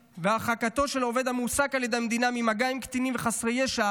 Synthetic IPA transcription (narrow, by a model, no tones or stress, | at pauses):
veaχakat̪o̞ʃe̞lo̞ve̞d̪hamusakaljed̪emed̪inamimaɡaimkt̪inimveχasʁejeʃa